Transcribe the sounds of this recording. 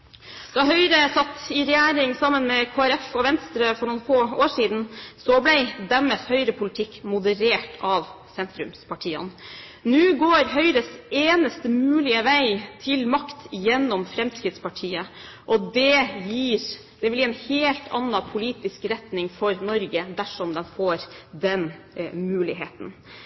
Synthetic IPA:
d̪̥ɑːɦœʏɾəsɑt̪ːɪɾɛjæːɾɪŋsɑmːənmɛkʰoːæɾɛfɔʋɛnst̪ɾəfɔɳuːnfoːoːʂiːd̪n̩sɔblɛɪd̪æməshœʏɾəpʰʊlɪt̪ʰɪkːmʊd̪əɾeːʈʰɑʋ | sɛnt̪ɾʉmspʰɑʈʰiːɑ̰n | nʉːɡoːɾɦœʏɾəseːnəst̪əmʉːlɪəʋæɪt̪ʰɪlmɑkt̪jɛnːɔmfɾɛmskɾɪd̪spɑʈʰiːə | ʔɔd̪ɛjiːɾ | d̪̥ɛʋɪljiːɛnheːlt̪ʰɑ̰nːɑpʰʊliːt̪ɪskɾɛt̪nɪŋfɔɾnɔɾɡəd̪æʂɔmd̪ɛnfoːɾd̪ɛn | mʉːlɪɦeːt̪n

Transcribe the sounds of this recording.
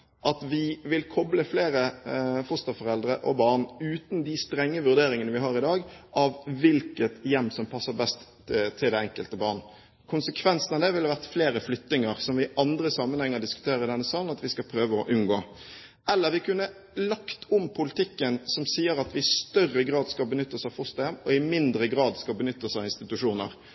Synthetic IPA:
ʔɑt̪ʋɪʋɪlkʰɔbləfleːɾəfɔst̪əʁfɔʁɛld̪ɾəʔɔbɑʁnʉːt̪nd̪ɪst̪ɾɛŋːəʋʉʁɾd̪eːɾɪŋənəʋɪɦɑːʁɪd̪ɑːɡʔɑʋʋɪlkət̪jɛmːsɔmpʰɑsːəʁbɛst̪ | t̪ʰːɪld̪æɛŋkəlt̪əbɑːʁn | kʰʊnsəkʰʋɛnsn̩ɑʋd̪ɛʋɪlhɑʋæʁt̪fleːɾəflʏt̪ːnɪŋəɾsɔmʋɪʔɑnd̪ɾəsɑmːənhɛŋːəʁd̪ɪskʉ̥t̪ʰeːɾəɾɪd̪ɛnːəsɑːln̩ɑt̪ʋɪskɑpʰɾøːʋəɔʔʉnɡoː | ɛlːəʁʋɪkʰʉnːə | lɑkt̪ʰʊmpʰʊlɪt̪ʰɪkːənsɔmsiːəɾɑt̪ʋɪɪst̪œrəɡɾɑːd̪skɑlbənʏt̪ːəsɑfɔst̪ɑjɛmːɔɪmɪnd̪ɾəɡɾɑːd̪skɑbənʏt̪ːəsɑɪnst̪ɪt̪ʉʂuːnə̰ɾ

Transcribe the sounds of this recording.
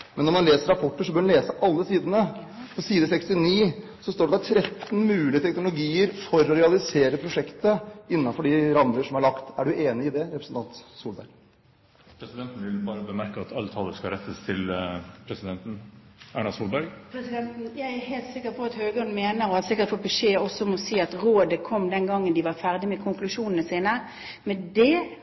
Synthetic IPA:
mɛnːɔɾmɑnleːsəɾɑpʰɔʈːəʂɔbøːɾnleːsəʔɑlːəsiːd̪ənə | pɔsiːəd̪əsɛkst̪ɪniː | sɔst̪oːɖɛd̪ɑt̪ʰɾɛt̪ːn̩mʉːlɪət̪ʰɛknʊlʊɡiːəɾfɔɾɔɾɛɑlɪseːɾəpʰɾʊʂɛkt̪əɪnːɑnfɔɖɪɾɑmləʂɔmhɑɾɭɑkt̪æɖʉeːnɪɪd̪ɛɾɛpɾsn̩t̪ɑnt̪suːlbæ̰ɾɡ | pʰɾɛsɪd̪ɛnt̪n̩ʋɪlbɑːɾəbəmæɾkəɑt̪ʰɑlt̪ʰɑːləskɑɾɛt̪ʰːəst̪ʰɪlpʰɾɛsɪd̪ɛnt̪n̩æːɳɑsuːlbæɾɡpʰɾɛsɪd̪ɛnt̪n̩jæɪæɾheːlt̪sɪkːəpʰɔɑt̪høːɡəɔnd̪əmeːnəɾɔɑt̪sɪkːəʁt̪fɔbɛʂeːɔsɔmɔsiːɑt̪ʁoːd̪əkʰɔmːd̪ɛnɡɑŋːənd̪ɪʋɑɾfæʁd̪ɪmɛkʰʊŋklʉʂuːnnəsiːnə | mɛd̪ɛ

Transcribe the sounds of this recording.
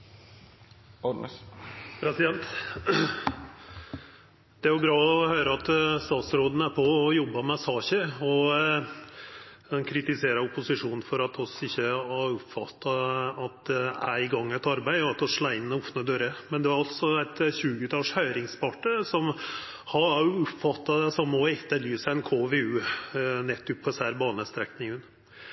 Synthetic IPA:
pʰɾɛsɪd̪ɛnt̪ | d̪̥ɛæɾjʊbɾɑːɔhøːɾəɑt̪st̪ɑːt̪sɾoːd̪nəæɾpʰɔɔjɔbːɑmɛsɑːçəɔ | ɛnkʰɾɪt̪ɪseːɾɑʊpʊsɪʂuːn̩fɔɾɑt̪ʰɔsɪçːəɑʊpfɑt̪ːɑɑt̪æ̰ɪɡɑŋːæɪt̪ɑɾbæɪɔɑt̪ɔʂɭɑːɪnːəɔfnəd̪øːɾəmɛnd̪ɛʋɑɾɑlt̪sɔæɪt̪çʉːɡʉt̪ʰɑːʂhœʏɾɪŋspʰɑʈːəsɔm | hɑʊpfɑt̪ːɑd̪ɛsɔmɔɛt̪ːəlyːsəɛnkʰoːʋeːʉːnɛt̪ːʉpʰːɛsæɾbɑːnəst̪ɾɛknɪŋən

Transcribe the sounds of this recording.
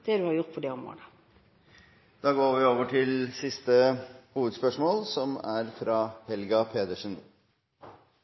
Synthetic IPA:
d̪̥ɛd̪ʉhɑɾjʊʁt̪̚pʰɔd̪ɛʊmʁo̰ːd̪ə | d̪̥ɑːɡoːʋɪoːʋəʈʰɪlsɪst̪əhuːʋəd̪spœʂmoːlsɔmæɾfɾɑhɛlɡɑpʰeːd̪əʂən

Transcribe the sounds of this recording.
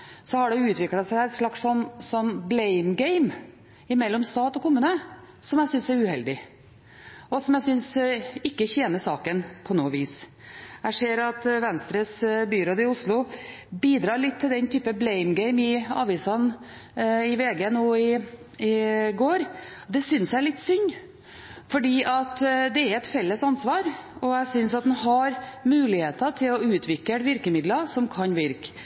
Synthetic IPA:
sɔhɑɖɛʉːt̪ʋɪklɑsæɪæɛt̪ʂɭɑksɔnsɔnːblɛɪmɡɛɪm | ɪmɛlːɔmst̪ɑːt̪ɔkʰʊmʉːnə | sɔmjæɪsʏnsæɾʉːhɛld̪ɪ | ɔsɔmjæɪsʏnsɪkːəçeːnəʂɑːkənpʰɔnuːʋiːs | æɪʂeːɾɑt̪ʋɛnst̪ɾəsbyːɾoːd̪ɪʊslʊbiːd̪ɾɑːɾɭɪt̪ʰːɪld̪ɛnt̪ʰyːpəblɛɪmɡɛɪmɪɑ̰ːʋɪsɑn | ɪʋeːɡənoːɪ | ɪɡoːɾd̪ɛsʏnsæɪɭɪt̪ːsʏnː | fɔɖiːʔɑt̪d̪ɛæɾɛt̪fɛlːəsɑnsʋɑːɾɔæsʏnsɑt̪̚d̪ɛnhɑɾmʉːlɪheːt̪ət̪ʰɪlɔʉːt̪ʰʋɪkːəɾʋɪɾkəmɪd̪lɑsɔmkʰɑnʋɪɾk

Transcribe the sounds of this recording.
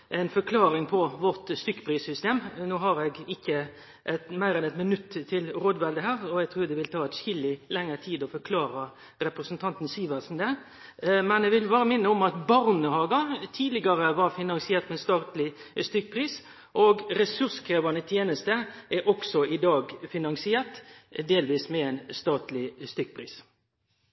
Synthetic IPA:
ʔɛɪnfɔkʰlɑːɾɪŋpʰɔʋɔɾt̪st̪ʏkːpʰɾiːsʏst̪eːmnoːɦɑɾɛɡɪkːə | ʔɛt̪mæɪɾɛnɛt̪mɪnʉt̪ːt̪ʰːɪlɾoːd̪ʋɛld̪əɦæːɾɔɛɡ̚t̪ʰɾuːɾd̪ɛʋɪlt̪ʰɑːɛt̪ʃɪlːɪlɛŋːəɾt̪ʰiːd̪ɔfɔɾkʰlɑːɾə | ɾɛpɾəsnt̪ʰɑnt̪n̩siːʋəsn̩d̪ɛ | mɛnɛʋɪlbɑːɾəmɪnːəɔmɑt̪bɑʁnəhɑːɡɑt̪ʰiːd̪lɪɡɑɾəʋɑɾfɪnɑŋsɪeːɾt̪mɛɛnst̪ɑːt̪lɪst̪ʏk̚ːpʰɾiːs | ʔɔɡɾɛsʉɾskʰɾeːʋɑnət̪ʰjeːnəst̪əʔɛɾʔɔksɔʔɪd̪ɑːɡfɪnɑŋsɪɛːʁt̪d̪eːlʋiːsmɛæɪnst̪ɑːt̪lɪst̪ʏk̚ːpʰɾiːs

